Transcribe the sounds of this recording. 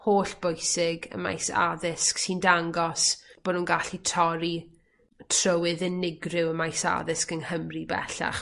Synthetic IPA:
hoːɬb̥ojsɪɡə̰ma̰jsa̰ðɪsksindaŋɡɔsb̥oːdunɡaɬitʰɔɾi | tʰrəwɨðənɪɡrɪwəmajsa̰ðɪskənhəmribɛ̰ɬa̰χ

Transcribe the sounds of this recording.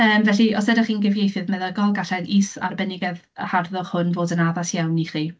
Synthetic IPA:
əːmvɛɬiʔɔsɛdɪχiːnɡɪvjejθɨðmɛðɛlˠɡɔlˠɡaɬɛnisa̰rbɛnɪɡɛð | əharðɔχhʊnvoːdənaðasjawniχiː

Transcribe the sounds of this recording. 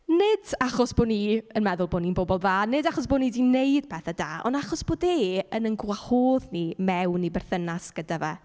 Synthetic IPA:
nɪdaχɔsb̥oːniənmɛðʊlˠboːninbɔbɔlˠðaːnɪdaχɔs̬b̥oːnidineɨd̥̚pʰɛθada̰ːɔ̰ndaχɔsb̥oːdeːənənɡwahoːðnimɛwnːibɛrθənasɡ̥ədavɛ

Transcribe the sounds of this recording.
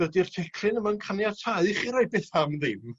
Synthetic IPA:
ədirtʰɛkʰrɪnəmankʰanjatʰaɨχiɾaj̚beːθamðɪm

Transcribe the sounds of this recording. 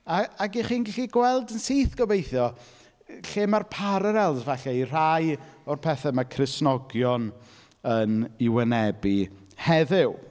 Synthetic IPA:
aaɡiχiːnɡɪɬiɡwɛlˠdənsiːθɡ̥ɔvejθjɔ | ɬeːmarpʰaɾəɾɛlˠzvaɬɛir̥ajɔrpʰɛθɛmakʰrɪsnɔɡjɔn | ənɪwɛnɛbi | hɛðɪw

